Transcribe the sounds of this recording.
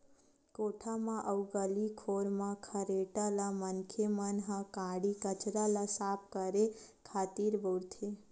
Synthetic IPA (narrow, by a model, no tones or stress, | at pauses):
koʈʰamãʔəwɡəlikʰoɾmãkʰəɾeʈalamənkʰemənɦãkãɽikət͡ʃɾalasap̚kəɾekʰat̪iɾbəwɽt̪ʰe